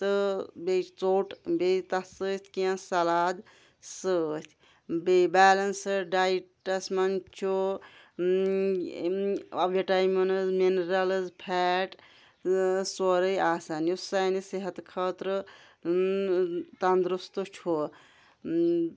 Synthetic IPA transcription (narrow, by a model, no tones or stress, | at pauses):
t̪ɨbet͡soːʈbet̪ɐsət̪ʲʰkiãsɐlaːd̪ | sət̪ʰʲ | bebaːlɐnsɨɖajʈɐsmɐnt͡ʃʰo | ɐbeʈajmɐnɨzminɾɐlɨzpʰɛʈ | soɾəjaːsaːnjusajniseɦɐt̪kʰəːt̪ɾɨ | t̪ɐnd̪ɾust̪ot͡ʃʰo